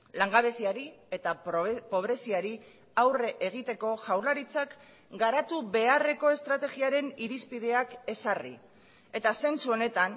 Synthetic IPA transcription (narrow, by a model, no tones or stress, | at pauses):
laŋɡaβe̞siaɾie̞t̪apo̞β̞ɾe̞siaɾi | awreʔeɣ̞it̪e̞ko̞ʝawɾlaɾit͡sak | ɡaɾat̪uβe̞are̞ko̞e̞st̪ɾat̪e̞ɣiaɾe̞niɾispið̞e̞ake̞sarḭ | e̞t̪ase̞nt͡suo̞ne̞t̪an